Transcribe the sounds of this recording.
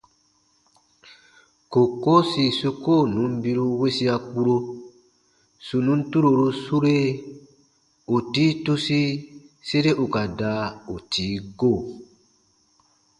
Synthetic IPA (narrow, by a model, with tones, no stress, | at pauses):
ko˨ko˦si˨su˧ko˦˨nũ˨˦m˦bi˧ɾu˧we˦si˦a˧k͡pu˦ɾo˧ | su˨nũ˦n̩˦tu˦ɾo˨ɾu˧su˦ɾe˦ | u˨tiː˦tu˦si˦se˦ɾe˦ʔu˨ka˨da˧˦u˨tʰiː˨˦ɡo˦˨